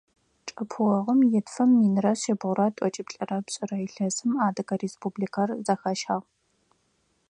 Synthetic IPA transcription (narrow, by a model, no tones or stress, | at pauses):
ʈ͡ʂʼɐpʰwɐʁəmjɛtfɐmːinɨrɐɕɐbʁʷʊɾɐtʷʼɔt͡ʃʼɪpɬʼɐrɐpɕʼɪrɐiɬɐzɨmaːdɐkɐreːspʰubliːkʰɐrzɐxɐʃaːʁ